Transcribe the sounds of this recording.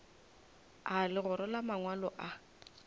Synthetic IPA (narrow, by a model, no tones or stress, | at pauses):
alɪɣʊɾɪlamaŋwalɔʔa